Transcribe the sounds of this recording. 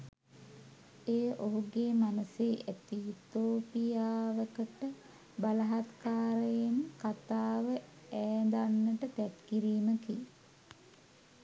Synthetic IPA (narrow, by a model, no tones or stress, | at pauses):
ejəʔoɦuɡeːmanuseːʔæt̪iːt̪oːpijaːʋəkəʈə | balɐɦat̪kaːɾəjenkat̪aːʋə | æːnd̪anːəʈət̪æt̪kiɾiːməkij